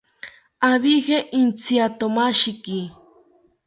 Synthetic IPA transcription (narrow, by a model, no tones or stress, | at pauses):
aβixeʔint͡siat̪omaʃiki